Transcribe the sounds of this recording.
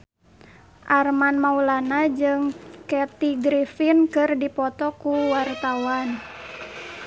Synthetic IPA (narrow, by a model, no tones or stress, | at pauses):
ʔarmanmaulanad͡ʒɨŋkɛt̪iɡɾifinkɨrdipɔt̪ɔkuwart̪awan